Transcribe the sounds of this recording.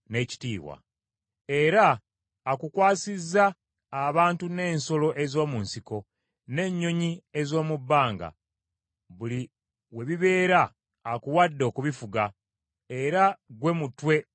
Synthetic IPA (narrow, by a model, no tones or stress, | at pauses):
ne̞ːci̥tḭːβwa̰ | e̞ɾaː | kukwaːsizːaː | βaːntune̞ːnso̞lo̞ʔe̞zo̞ːmunsiko̞ | ne̞ɲːo̞ɲie̞zo̞ːmubːaːŋɡa̰ | βuli | we̞βiβe̞ːɾaː | kuwadːo̞ːkuβifuɡa | e̞ɾaɡwe̞mutwe̞